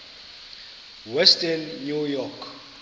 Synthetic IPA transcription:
wɛstʰʼanːujɔkʰ

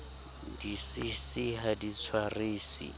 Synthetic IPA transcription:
disisiɦadit͡sʰwariːsḭ

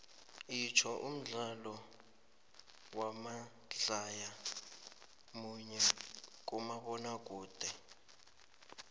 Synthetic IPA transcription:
it͡ʃʰɔʔum̩ɮalɔ | wama | ɮaja | muɲɛk̬ʼumaɓɔnak̬ʼuːd̥ʱɛ

